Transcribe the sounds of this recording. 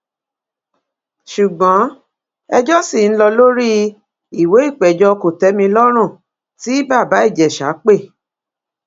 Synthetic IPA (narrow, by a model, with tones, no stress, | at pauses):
ʃu˨ɡ͡bɔ̃˨˦ | ɛ˧d͡ʒɔ˦si˦˨ñ̩˦lɔ˧lo˦ɾi˦ | i˨we˨˦i˦˨k͡pɛ˨d͡ʒɔ˧ko˨tɛ˨˦mĩ˧lɔ˦ɾ̃ũ˦˨ | ti˨˦ba˦˨ba˨˦i˦˨d͡ʒɛ˨ʃa̰˨˦k͡pe˦˨